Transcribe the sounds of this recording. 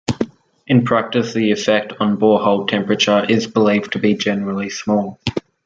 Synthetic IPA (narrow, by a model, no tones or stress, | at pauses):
ʔɪ̃npʰɹ̥æk̚tɪsðiɪfɛk̚tn̩bɔːhɔʊl̚ˠtʰɛ̃mpɹət͡ʃə˞ʔɪzbəliːv̥tʰəbid͡ʒɛnəɹəl̩ˠismɔːlˠ